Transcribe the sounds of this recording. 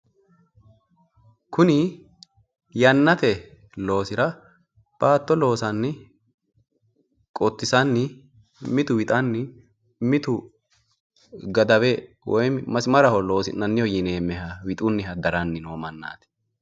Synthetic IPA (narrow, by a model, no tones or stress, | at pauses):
kʰʊnɪ | jɐnːɐt̪ɛ | lo̞ːsɪɾɐ | b̥aːt̪ːɔlo̞ːsɐnːɪ | kʼɔt̪ːɪsɐnːɪ | mɪt̪ʊwɪt̪ʼɐnːɪ | mɪt̪ʊ | ɡɐd̪ɐwɛ | wɔjmɐsɪmɐɾɐhɔlo̞ːsɪ̰nɐnːɪjɔjɪneːmːɛɦɐwɪt̪ʼʊnːɪɦɐd̪ɐɾɐnːɪnoːmɐnːa̰ːt̪ɛ̥